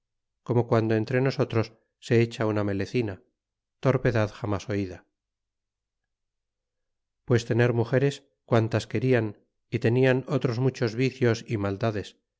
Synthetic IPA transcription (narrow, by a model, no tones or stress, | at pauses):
ko̞mo̞kwand̪oe̞nt̪ɾe̞no̞so̞t̪ɾo̞sː | e̞et͡ʃauname̞leθina | t̪o̞ɾpe̞ðaðxamaso̞iða | pwe̞st̪e̞ne̞ɾmuxe̞ɾe̞s | kwant̪aske̞ɾian | it̪e̞niano̞t̪ɾo̞zmut͡ʃo̞zβiθjo̞simald̪aðe̞s